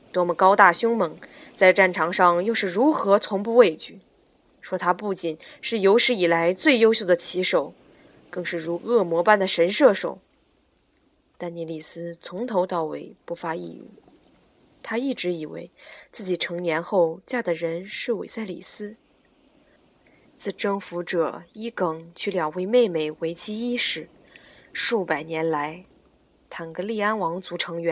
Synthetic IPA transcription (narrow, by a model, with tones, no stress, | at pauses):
t̪wɔ˥mə˧kɑ˥ʊt̪a˥˩ɕʊ˥ŋmɤ˧˥ŋt͡sa˥˧ɪʈ͡ʂa˥˩nʈ͡ʂʰɑ˧˥ŋʂɑ˥˧ŋjo˥˧ʊʂɻ̩˥˩ɻu˧˥xɤ˧˥t͡sʰʊ˧˥ŋpu˥˧we˥˧ɪt͡ɕy˥˩ | ʂwɔ˥t̪ʰa˥pu˥˩t͡ɕi˨˩nʂɻ̩˥˩jo˧˥ʊʂɻ̩˧˥i˨˩la˧˥ɪt͡swe˥˩ɪjo˥ʊɕjʊd̪ə˩t͡ɕʰi˧˥ʂo˨˩ʊ | kɤ˥˧ŋʂɻ̩˥˩ɻu˧˥ɤ˥˩mwɔ˧˥pa˥˩nd̪ə˩ʂə˧˥nʂɤ˥˩ʂo˨˩ʊ | t̪a˥˩nni˧˥li˨˩sɹ̩˥t͡sʰʊ˧˥ŋt̪ʰo˧˥ʊt̪ɑ˥˩ʊwḛ˧˥˩ɪpu˥˩fa˥ḭ˥˩˨ | t̪ʰa˥i˥˩ʈ͡ʂɻ̩˧˥i˨˩wḛ˧˥ɪt͡sɹ̩˥˩t͡ɕi˨˩ʈ͡ʂʰɤ˧˥ŋnjɛ˧˥nxo˥˧ʊt͡ɕja˥˩d̪ə˩ɻə˧˥nʂɻ̩˥˩wḛ˨˩ɪsa˥˩ɪlḭ˨˩sɹ̩˥ | t͡sʰɹ̩˥˩ʈ͡ʂɤ˥ŋfu˧˥ʈ͡ʂɤ˨˩i˥kɤ˨˩ŋt͡ɕʰy˥˩ljɑ˨˩ʊwe˧˥ɪme˥˩ɪme˨˩ɪwe˧˥ɪt͡ɕʰi˥i˥ʂɻ̩˨˩˦ | ʂu˥˩pa˨˩ɪnjɛ˧˥nla˧˥ɪ | t̪ʰa˨˩nɡɤ˧˥li˥˩a˥nwɑ˧˥ŋt͡su˧˥ʈ͡ʂʰɤ˧˥ŋɥɛ˧˥n